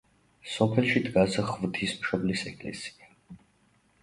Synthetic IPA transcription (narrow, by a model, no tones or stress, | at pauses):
sɔpʰɛlˠʃid̪ɡasʁvd̪ʰismʃɔblisɛkʼlɛ̰si̥a